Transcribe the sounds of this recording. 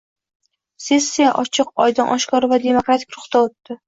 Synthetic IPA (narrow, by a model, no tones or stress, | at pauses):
se̞sːijaʔɒt͡ʃʰɨqɒjd̪ɪnʔɒʃkʰɒɾvad̪e̞mokɾat̪ʰɪkʲɾʊχt̪aot̪ːɪ